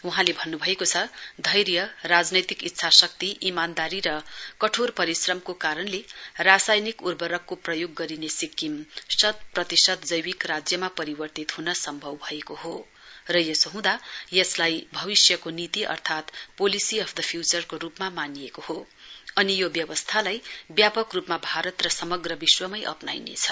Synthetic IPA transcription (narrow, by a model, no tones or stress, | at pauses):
wuɦãlebʱʌnːubʱʌekot͡sʰʌd̪ʱʌjɾjʌrad͡znʌjt̪ikit̪ːsʰasʌk̚t̪iʔimand̪aɾiɾʌkʌʈʰorpʌɾisrʌmkokaɾʌnlerasajnikurbʌɾʌkːoprʌjoɡːʌɾinesikːimsʌt̪̚prʌt̪isʌt̪d͡zʌjwikrad͡zjʌmapʌɾibʌrt̪it̪hunʌsʌmbʱʌwbʱʌekoɦo | rʌjʌsoɦũd̪ajʌslajbʱʌβisjʌkonit̪iʔʌ̰rt̪ʰat̪polisiʌpʰd̪ʌpʰjut͡sʌrkoɾupmamanijekoho | ʌnijobjʌwʌst̪ʰalajbjapʌkrupmabʱaɾʌt̪rʌsʌmʌɡrʌbiswʌmʌjʔʌ̰pnajnḛt͡sʰʌ̥